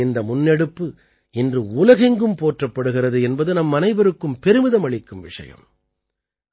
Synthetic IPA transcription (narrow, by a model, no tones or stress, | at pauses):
ɪnd̪ɐmʊnːɛɽɯpːɯ | ɪndrɯʊlɐɣɛŋɡɯmpoːʈrɐpːɐɽɯɣɪrɐðɯɛnbɐðɯnɐmːɐnɐɪbɐɾɯkːɯmpɛɾɯmɪðɐmɐɭɪkːɯmʋɪʂɐ̰jɐ̰m